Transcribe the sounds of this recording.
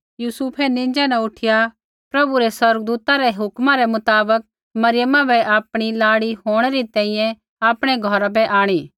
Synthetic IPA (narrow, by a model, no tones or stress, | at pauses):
juːsuːpʰɛnɪ̃ːd͡ʒanɛ̃ʊʈʰɪja | pɾɐbuɾɛsɐɾəɡd̪uːt̪aɾɛɦʊkmãɾɛmʊt̪aːbək̚ | mɐɾɪjəmãbʱɛʔaːpɽ̃ilaːɽiɦoːɽ̃ɛɾit̪ɛ̃ːĩjɛ̃ | aːpɽ̃ɛɡʱɔɾabɛʔaːɽ̃iː